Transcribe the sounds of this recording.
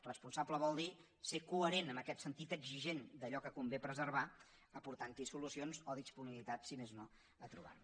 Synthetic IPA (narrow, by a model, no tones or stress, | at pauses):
rəspunsabləβɔlˠd̪i | sekuəɾenəməkɛt̪sənt̪it̪əɡziʒend̪əʎɔkəkumbepɾəzəɾβa | əpuɾt̪ant̪isulusionzoðispuniβilit̪at̪simezno | ət̪ɾṵβ̞a̰